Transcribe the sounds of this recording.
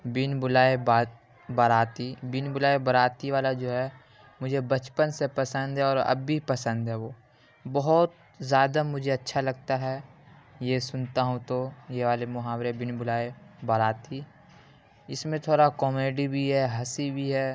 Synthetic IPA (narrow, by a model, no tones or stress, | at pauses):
bɪnbʊlaːeba | bəɾaːt̪ibɪnbʊlaːebɐɾaːt̪iʋaːlad͡ʒoːɦɛ | mʊd͡ʒʱebɐt͡ʃpənsepɐsə̃nd̪ɦɛɔːɾɐ̰bːipɐsə̃nd̪ɦɛʋoː | bɔɦɔt̪̚ | zjaːd̪amʊd͡ʒʱeɐtːʃʰalɐɡ̚t̪aɦɛjesʊnt̪aɦũt̪ojeʋaːlemʊɦaːwɾebɪnbʊlaːebɐɾaːt̪i | ɪsmẽt̪ʰoːɾakɔːmeːɖibʱiɦɛɦɐsibʱiɦɛː